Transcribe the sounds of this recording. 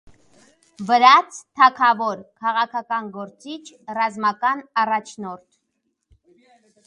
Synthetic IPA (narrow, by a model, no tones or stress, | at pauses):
vəɾɑt͡sʰt̪ʰɑkʰɑvɔɾkʰɑʁɑkʰɑkɑnɡɔɾt͡sit͡ʃʰrɑzmɑkɑnɑrɑt͡ʃʰnɔɾt̪ʰ